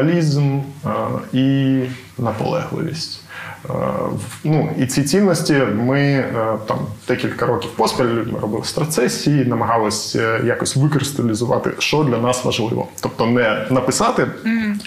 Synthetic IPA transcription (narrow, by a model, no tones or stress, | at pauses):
ɐlʲizm | i | nɐpɔ̰lˠɛ̰ɦlˠɪ̰ʋʲḭsʲtʲ | wnuit͡sʲit͡sʲinnːɔsʲtʲimɪt̪ɑ̰md̪̥ɛkʲilʲkɐɾɔkʲiwpɔspʲɐlʲɪlʲudʲmɪ̰ɾɔbɪlˠɪsʲp̪ɾɐt̪sɛsʲiinɐmɐɦɑlˠɔsʲjakɔsʲtʲʋɨkɾɨst̪ɐlʲɪzʊʋɑ̰t̪ɪ̰ʃt͡ʃɔd̪lʲɐnɑsʋɐ̰ʒlˠɪ̰ʋɔ̰t̪ɔpt̪ɔnɛnɐpɪsɑt̪ɪ